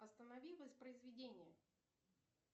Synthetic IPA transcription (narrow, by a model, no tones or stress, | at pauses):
ɐst̪ənɐvʲilˠəsʲpɾəɪzvʲɪdʲenʲɪjə